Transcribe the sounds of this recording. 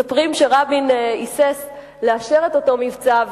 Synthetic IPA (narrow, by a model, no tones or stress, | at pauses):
apʁimʃeʁabinises | leaʃe̞ʁet̪o̞to̞mivt͡sav